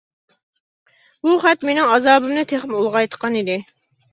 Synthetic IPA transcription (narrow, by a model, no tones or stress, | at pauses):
buχæt̪menɪŋɑzɑːbɨmnɨt̪ʰeχmulˠʁɑjt̪ʰə̥qɑnid̪ɪ